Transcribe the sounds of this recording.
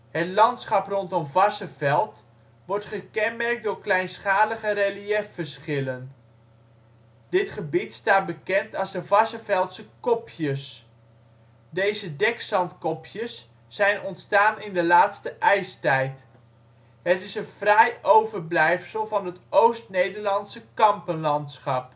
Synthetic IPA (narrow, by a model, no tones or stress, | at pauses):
ɦətlɑntsχɑprɔntɔmvɑsəvɛlˠt | ʋɔɹtχəkɛnmɛrk̚dʊːɹklɛjnsχaːləχəreliɛffəɹsχɪlən | d̥ɪtχəbitstaːt̚bəkɛntɑlˠzdəvɑsəvɛlˠtsəkɔpʰjəs | dejzədɛksɑntkɔpjəsː | ɛjnɔntstaːnɪndəlaːtstəʔɛjstɛjt | ɦətɪsənv̥rɛjʔowvəɹblɛjfsəlˠvɑnətowstnejdəɹlɑntsəkɑmpənlɑntsχɑp̚